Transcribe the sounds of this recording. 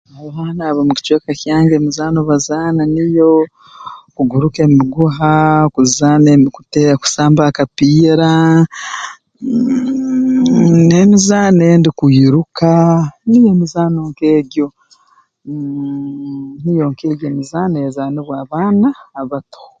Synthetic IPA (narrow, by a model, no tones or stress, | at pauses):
aβaːnaːβamuki̥t͡ʃweːkakjaːŋɡeːmizaːnoβazaːnanijo | kuɡuɾuke̞miɡuɦakuzanekuteku̥saːmbakapiːɾa | nemizaːnendikuiɾukanijo̞mizaːno̞ŋkeːɟo | nijo̞ŋkeːɟomizaːnejezaːneβwaːβaːnaːβato̥